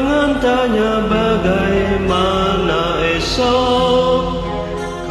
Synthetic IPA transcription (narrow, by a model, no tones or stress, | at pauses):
ŋant̪aɲabaɡajmanaɛsɔ